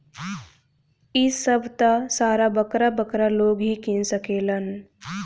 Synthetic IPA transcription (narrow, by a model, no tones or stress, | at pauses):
isəbʱt̪asaːɾabɐkɾabəkɾaloːɡɦikinsəkeːlan